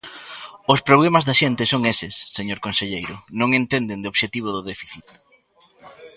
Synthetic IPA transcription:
ʊspɾoβlemazðɐʃent̪ɪsoŋesɪsːeɲoɾkonseʎejɾʊnõŋent̪end̪end̪ɪoβʃet̪iβ̞ʊðʊðefiθit̪̚

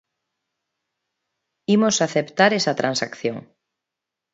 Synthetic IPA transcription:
imosaθept̪aɾesɐt̪ɾʔansakθjoŋ

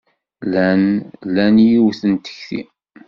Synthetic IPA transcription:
lænlænjiwθənt̪ə̥çθḭ

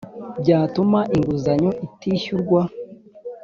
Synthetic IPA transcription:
bɟaːtumaʔiŋɡuzaɲoʔitiːɕuɾɡwa

